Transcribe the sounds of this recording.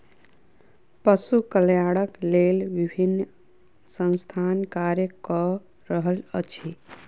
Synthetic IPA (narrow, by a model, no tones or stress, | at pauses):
pəsukəljaɽəklelʋibʱinː | sə̃w̃st̪ʰankaɾjəkɔ | ɾəɦələt͡ʃʰi